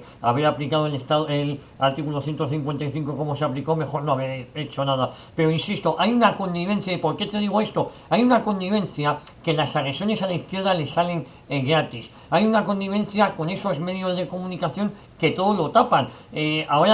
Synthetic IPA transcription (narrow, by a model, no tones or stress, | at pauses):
aβ̞eɾaplikaðoelest̪aðoel | aɾt̪ikulo̞θje̞nt̪oθiŋkwe̞nt̪ajθiŋko̞ko̞mo̞seapliko̞me̞xo̞ɾno̞aβeɾe̞t͡ʃo̞naða | pe̞ɾo̞insist̪o̞ʔajunako̞nd̪iβ̞e̞nθjaipo̞ɾke̞t̪e̞ðiɣ̞oe̞st̪o̞ | ajunako̞nd̪iβ̞e̞nθja | ke̞lasaɣɾe̞sjo̞ne̞salaiθkje̞ɾðale̞sale̞ŋ | ɣɾat̪is | ajunako̞nd̪iβ̞ẽ̞nθjako̞ne̞so̞zme̞ðjo̞zðe̞ko̞mũnikaθjo̞ŋ | ke̞t̪o̞ðo̞lo̞t̪apaneaoa